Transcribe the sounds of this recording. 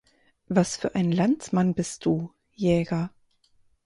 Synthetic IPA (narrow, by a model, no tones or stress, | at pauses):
vasfyːɐʔaɪnn̩lant͡smanbɪst̚d̥uː | jɛːɡɐ